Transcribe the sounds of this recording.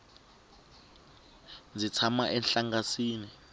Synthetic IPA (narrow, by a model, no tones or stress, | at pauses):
nd͡zit͡sʰamaʔɛnɬaŋasiːni